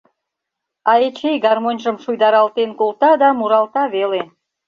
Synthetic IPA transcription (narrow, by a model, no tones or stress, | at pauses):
ɑet͡ɕejɡɑrmonʲʒə̆mʃujd̪ɑɾɑlt̪enkult̪ɑd̪ɑmuɾɑlt̪ɑβele